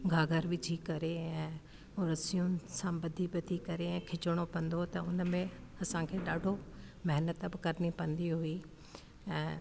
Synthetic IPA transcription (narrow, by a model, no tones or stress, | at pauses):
ɡʱaːɡʱəɾʋɪd͡ʒʰʱikɐɾeɛ̃ː | ʊɾɐsijʊnɪ̆sãbɐd̪ʱibɐd̪ʱikɐɾeɛ̃ːkʰɪt͡ʃəɽ̃opɐ̃nd̪ot̪ɐʊnmẽɐsãkʰeːɗaːɖʱomɐɦnət̪bɪkɐɾnipɐ̃nd̪iɦuiː | ɛ̃ː